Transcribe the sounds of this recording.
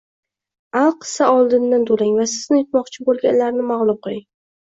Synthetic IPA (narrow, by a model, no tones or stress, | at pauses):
alˠqʰɨ̥saɒlˠd̪ɪnd̪ant̪ʰolaŋvasɪz̥nɪjʊt̪mɒqt͡ʃʰɪbolˠɡʲanlaɾnɪmaʁlˠʊmqɨlˠɪŋ